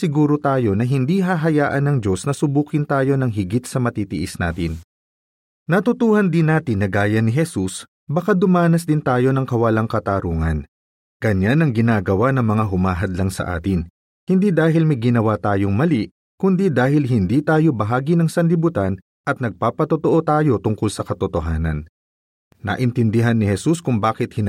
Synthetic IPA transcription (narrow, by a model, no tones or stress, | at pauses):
sɪɡuːɾot̪aːjo̞nɐɦɪnd̪iɦaɦɐjaːʔɐnːɐŋd͡ʒo̞snɐsʊbuːkɪnt̪aːjo̞nɐŋɦɪɡit̪̚sɐmɐt̪iːt̪ɪʔɪsna̰ːt̪ɪn | nɐt̪ʊt̪uːhɐnd̪ɪnːaːt̪ɪnːɐɡaːjɐnɪɦɛsus | bɐkad̪ʊmaːnɐsd̪ɪnt̪aːjo̞nɐŋkɐwɐlaŋkɐt̪aːɾuːŋɐ̰n | ɡ̥ɐɲanɐŋɡɪnaːɡɐwanɐŋmɐŋaɦʊmaːɦɐd̪lɐŋsɐ̰ʔa̰ːt̪ɪn | hɪnd̪id̪aːɦɪlmɐjɡɪnɐwat̪aːjo̞ŋmɐliʔ | kʊnd̪id̪aːɦɪlɦɪnd̪iːt̪aːjo̞bɐɦaːɡinɐŋsɐnlɪbʊt̪an | ʔɐt̪̚nɐɡ̚paːpɐt̪ot̪oʔo̞t̪aːjo̞t̪ʊŋkolsɐkɐt̪ot̪oɦaːnɐ̰nː | ɐ̰ʔɪnt̪ɪnd̪ɪɦanːɪhɛsuskʊŋbaːkɪt̪̚hɪn